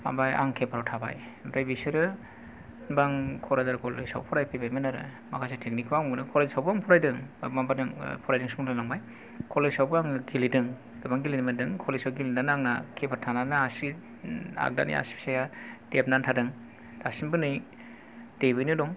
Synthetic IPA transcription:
ma̰baja̰ŋkʰepʰaɾawtʰaba̰j | bɾajbisɯɾɯ | nbaŋkʰɔɾazaɾkʰɔlḛsa̰wpʰɔɾajpʰebajmenaɾɯ̰ | makʰajsetʰek̚nikʰwawmɯnɯkʰɔɾazsawbaŋpʰɔɾajdɯŋmabadɯŋpʰɔɾajdɯŋsuŋanaŋmaj | kʰɔled͡ʒsawbɯaŋɡilidɯŋ | ɡ̥ɯbaŋɡilidimandɯŋkʰɔlesawɡilinanaŋna̰kʰepʰaɾtʰananaasi | a̰k̚da̰nḭa̰si̥psajatep̚nantʰadɯŋ | dasinbɯnɯj | debɯjnɯdɔŋ

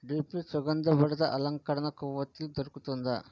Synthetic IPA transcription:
ɖiːpisʊɣɐnd̪ɐpɐɽɯðɐʔɐlɐŋkɐɾɐnɐkuːʋɐt̪ːɪld̪ɔɾkːɯt̪ːɔnd̪ɐ̰

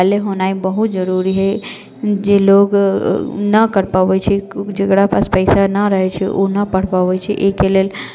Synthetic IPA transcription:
leɦonaibəɦut̪d͡ʒəɾuɾiɦə | d͡ʒeloɡ | nəkəɾpaʋət͡ʃʰɛd͡ʒekɽapaspəɪsanəɾəɦɛt͡ʃʰɛʔo̰nəpəɽ̤paʋɛt͡ʃʰiʔekelel

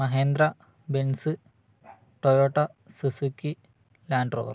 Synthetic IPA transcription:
mɐɦe̞ːnd̪ɾɐ | bensɨ | ʈojoːʈːɐsusukːi | laːɳɖro̰ːr

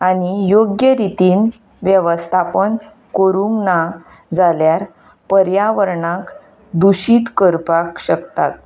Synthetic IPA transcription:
aɽ̃ijoɡjəɾit̪iːn | ʋjəʋəst̪ʰapən | kəɾũŋkna | d͡zaljaɾ | pəɾjaʋəɾɳak | d̪uɕiːt̪kəɾpakɕəkt̪at̪

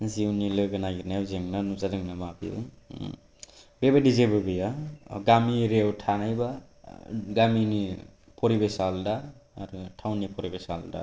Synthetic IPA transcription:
ziwnilɯɡɯnaɡiɾnajwzeŋnanuzadɯŋnamabḭ | bebadizebɯbɯjaɡamiɾewtʰanajba | ɡamini | pʰɔɾibesaldaːɾutʰawnːipʰɔɾibesa̰lda̰

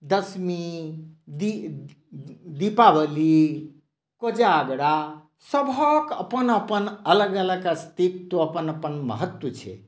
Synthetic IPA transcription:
d̪əsmi | d̪i | d̪ipabəli | kod͡ʒaːɡɽa | səbʱəkə̰pənəpənələɡələɡkast̪it̪t̪oəpənəpənmə̰ɦət̪wət͡ʃʰɛ̰

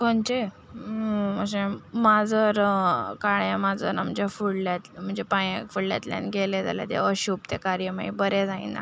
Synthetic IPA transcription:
kont͡ɕe | məɕemad͡zəɾkaɭjãmad͡zəɾna̰m̤əd͡ʑafuɽljat̪m̤əɳd͡ʑepajekfuɽlja̰t̪lja̰nɡeled͡za̰lja̰t̪ja̰əɕupt̪ekaɾjəmaibəɾed͡zaḭ̃na̰

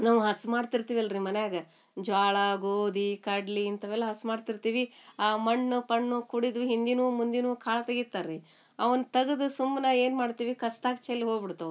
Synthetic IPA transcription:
naːʋuɦɐsmaːɖt̪iɾt̪iːʋiɐlɐɾimɐnejaːɡɐ | d͡ʒaːɭɐɡoːd̪ikɐɖliint̪ɐʋɛlːɐɦɐsmaːɖt̪iɾt̪iːʋiaːmɐɳːupɐɳːukuɽid̪uɦind̪inuːmund̪inuːkʰaːɭɐt̪ɐɡit̪ːaɾɾi | ɐʋɐnt̪ɐɡɐd̪usumːnɐe̞ːnmaːɖt̪iːʋikɐst̪aːkt͡ʃɐlːiɦoːɡbiɽt̪ɐ

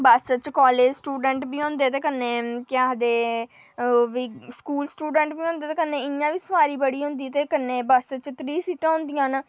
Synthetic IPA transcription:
baːsət͡ʃkɔːleːd͡ʒsʈuːɖəɳʈbiːɦõːnd̪eːt̪eːkəneːkɪaːd̪eː | ʋiːskuːlsʈuːɖə̃ɳʈbiːõːnd̪eːt̪eːkəneːɪjãːʋiːsəmaːɾiːbəɽiːɦʊ̃nd̪iːt̪eːkənːeːbaːsət͡ʃt̪ɾiːsiːʈãːɦʊ̃nd̪ijãːn

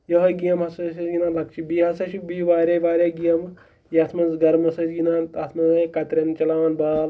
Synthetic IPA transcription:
jɐɦɐɡijɐmɦɐsɐsɐsɡinalɐk̚t͡ʃibiɦɐsɐʃibiʋaːɾʲɐʋaːɾʲɐɡijɐm | jɐt̪ʰmɐnzɡɐɾmɐsɐsɡinant̪ɐt̪ʰmɐzɐkɐt̪ɾʲɐnt͡ʃɐlaːʋɐnbaːl

